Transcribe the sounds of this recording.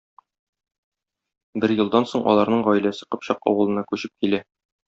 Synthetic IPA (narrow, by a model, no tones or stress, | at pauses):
bɘɾjɤ̆lˠd̪ɑnsoɴʔɒ̰lˠɑɾnɤɴʁɒj̆læsɘ̥qɤ̆pɕɑqɒ̰wɤ̆lˠɤ̆nɑkʉɕɘp̚kilæ